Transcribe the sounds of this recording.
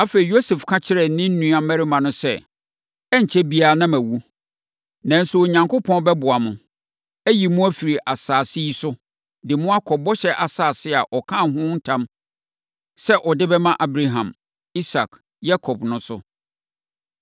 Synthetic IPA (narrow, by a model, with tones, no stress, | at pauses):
a˦fe˨i˨jo˦se˨fkʰã˦t͡ɕʰɪ˦ɾɛ˨˦nɪ̃˦n̩˦nũ˦a˨mæ˦ɾɪ˦mã˨nʊ̃˦sɛ˦ | ɛ˦ɲ̩˨t͡ɕʰɛ˦bi˦a˨nã˦mæ̃˨wu˦ | nã˨n̩˦sʊ˦˨ɲã˨ŋkʊ˦pʰɔ̃˦nbɛ˦bʊ˨a˨mʊ̃˨ | æ˦ji˨mʊ̃˦æ˦fi˨ɾi˨ʔa˨saː˨sɪ˦ji˦sʊ˦ | dɪ˨mʊ̃˦a˦kʰɔ˨bɔ˦ɕɛ˦ʔa˨saː˨sɪ˦a˨ʔɔ˨kʰã˦˨ɦʊ̃˦n̩˦tʰã˦m | sɛ˦ʔɔ˨dɪ˦bɛ˦mã˦ʔa˨bɾa˨ɦã̰˨m | i˦sa˨k | ja˦kʰɔ˨bnʊ̃˦sʊ˦